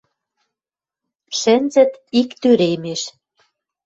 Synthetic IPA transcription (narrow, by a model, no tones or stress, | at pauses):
ʃɘ̆nzɘ̆t̪ikt̪yɾemeʃ